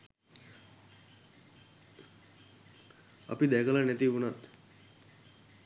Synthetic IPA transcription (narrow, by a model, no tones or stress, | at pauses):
a̰pid̪ɛkəlanɛt̪iunat̪